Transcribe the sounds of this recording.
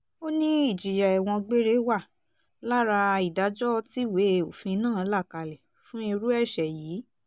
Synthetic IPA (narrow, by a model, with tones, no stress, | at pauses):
o˦nĩ˦i˦˨d͡ʒi˨ja˨ɛ˨w̃ɔ̃˧ɡ͡be˦ɾe˦wa˦˨ | la˦ɾa˧i˨da˨˦d͡ʒɔ˦ti˦we˨˦o˨fĩ˧nãː˦˨˧la˦˨ka˧lɛ˨ | fũ˦i˧ɾu˦ɛ˦˨ʃɛ˨jiː˨˦